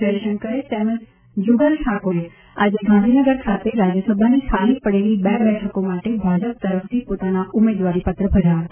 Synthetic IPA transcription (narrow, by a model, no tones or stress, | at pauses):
eːʃənkɐɾesɛːmə̃s | d͡ʒʊɡəlʈʰaːkoɦe | aːd͡ʑeɡãːnd̪ʱinəɡəɾkʰaːt̪eɾaːd͡ʑjəsɐbʱanisʰaːlipɐɽeːlibɛːbɛːʈʰəkõmaːʈebʱaːd͡ʑəp̚t̪ɐɾəfd̪ipʊt̪anaʔʊmeːd̪ʋaːɾipɐt̪ɾəbʱɐd͡ʒaː